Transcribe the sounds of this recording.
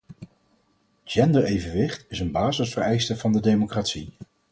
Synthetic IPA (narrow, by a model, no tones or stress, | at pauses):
d͡ʒɛndəɹejvənʋɪχtɪsənbaːzəsfərɛjstəvɑndədejmokratsi